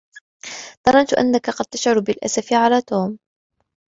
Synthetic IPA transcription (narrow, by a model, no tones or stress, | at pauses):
t̪ˤɑɾˤɑnt̪ʊʔa̰nːakaqɑd̪̚t̪aʃʕʊɾbɪlʔa̰safɪʕalaːt̪oːm